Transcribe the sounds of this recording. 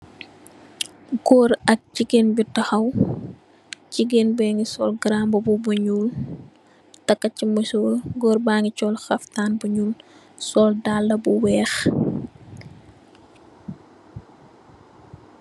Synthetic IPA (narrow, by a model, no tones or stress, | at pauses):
ɡɔːɾɐk̚ciɡenbitɐxɐw | ciɡenbɛŋɡisɔlɡɾambɐbubuɲuːl | tɐkːɐcimusoːɡɔːrbaŋɡicɔlxɐftaːnbuɲuːl | sɔldalːɐbuwɛːx